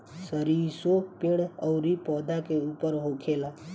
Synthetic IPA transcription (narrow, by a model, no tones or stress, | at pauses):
səɾiːsopɪɽ̃əʊɾipɔːd̪ʱakeuːpəɾɦokʰeːla